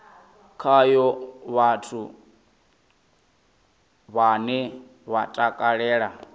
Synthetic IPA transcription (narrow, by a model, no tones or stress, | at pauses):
kʰajɔβatʰu | βanɛ | βatʼakʼaɺɛːɺa